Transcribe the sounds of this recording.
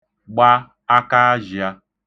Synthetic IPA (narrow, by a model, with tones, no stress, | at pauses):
ɡ͡ba˦ | a˦ka˦a˦d͡ʒi˨a˦